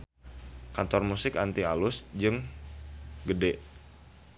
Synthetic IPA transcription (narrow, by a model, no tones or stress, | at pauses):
kant̪ɔrmusɪkant̪ialʊsd͡ʒɨŋ | ɡədɛʔ